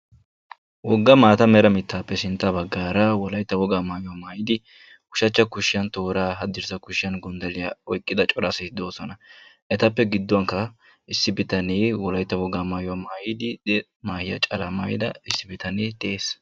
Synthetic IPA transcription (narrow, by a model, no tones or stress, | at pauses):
wɔɡːɐmaːt̪ɐmɛɾɐmɪt̪ʰːaːpːɛsɪnt̪ʼːɐbɐɡːaːɾɐwɔlɐjt̪ːɐwɔɡaːmaːjʊwaːmaːjɪd̪ɪ | kʊʃɐt͡ʃːɐkʊʃːɪjɐnt̪o̞ːɾaːɦɐd̪ːɪɾsɐkʊʃɪjɐnɡɔnd̪ɐlɪjɐɔjkʼːɪd̪ɐt͡ʃʼɔɾɐsɛt̪ɪd̪o̞ːsɔnɐʔɛt̪ɐpːɛɡɪd̪ːwɐŋkːɐ | ɪsːɪbɪt̪ɐneːwɔlɐjt̪ːɐwɔɡaːmaːjʊwaːmaːjɪd̪ɪd̪ɛ | maːhɪjɐ̰t͡ʃʼɐlɐma̰ːjɪd̪ɐ̰ɪsːɪbɪt̪ɐneːt̪ɛʔeːs